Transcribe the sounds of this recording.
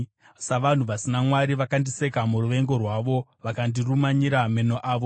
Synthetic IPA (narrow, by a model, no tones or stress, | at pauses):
saʋan̤uʋasinamwaɾiʋakandise̞kamuruʋe̞ŋɡo̞rwaʋo̞ʋakandirumaɲiɾame̞noʔaːʋo̞